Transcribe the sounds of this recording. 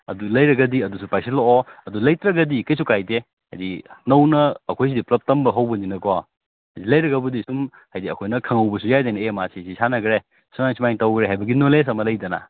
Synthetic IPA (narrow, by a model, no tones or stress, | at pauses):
ɐ̰dulɐjɾɐɡɐdiɐdusupajsilooɐdulɐjtɾɐɡɐdikɐjsukajde | ha̰jdinɐwnɐːkʰojs̬idiplɐp̚tɐmbɐɦɐwbɐninɐkoa | hɐjdilɐjɾɐɡɐbɐdisum | hajdiɐkʰojnɐkʰɐŋɐwbɐs̬ujajdajnɐemasisisanɐɡɾe | sumajŋsumajŋtɐwɡɾeɦajbɐɡinoles̬ɐmɐlɐjdɐna̰